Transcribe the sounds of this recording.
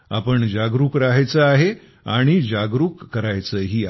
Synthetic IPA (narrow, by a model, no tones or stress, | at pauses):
a̰pəɳd͡ʑaɡɾuːkɾaɦajt͡səaɦe | aɽ̃id͡ʑaɡɾuːkːəɾajt͡səɦiːa